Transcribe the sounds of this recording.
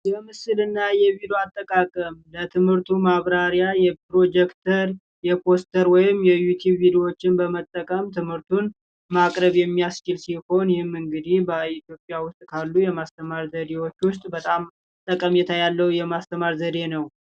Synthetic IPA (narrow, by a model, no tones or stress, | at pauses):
jɛmɨsɨlɨnːajɛβid̪oat̪ʼːəkʼakʼəmlət̪ʰɨmhɨɾt̪ʰumaβɾaɾjajɛpɾo̞d͡ʒɛkt̪ʰəɾ | jɛpʰo̞st̪ʰəɾwɔjɪmjɛjut̪ʰjubvid̪io̞t͡ʃːɪnbəmət̪ʼːəkʼəmt̪ʰɨmhɨɾt̪ʰun | makʼɾəβjɛmːijast͡ʃɪlsiho̞njɪhɪmɨŋɡɨd̪ihbəit̪ʰjo̞pʼːjawʊst̪ʼkʰalːujɛmast̪ʰəmaɾzəd̪ewo̞t͡ʃːwʊst̪ʼbət̪ʼam | t̪ʼːəkʼəmjɛt̪ʰajalːəwjɛmast̪ʰəmaɾzəd̪e̞nəw